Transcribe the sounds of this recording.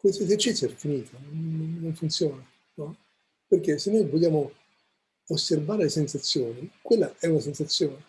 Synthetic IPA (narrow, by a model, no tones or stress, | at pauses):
kwest̪oezert͡ʃit̪sjoɛrefiniːt̪ʰanonːonːoɱfunt̪sjɔːna | nɔ | perk̟esenːojvoʎːaːmo | osːerbaːɾelesensat̪sːjoːnikwelːaɛunasensat̪sːjoːne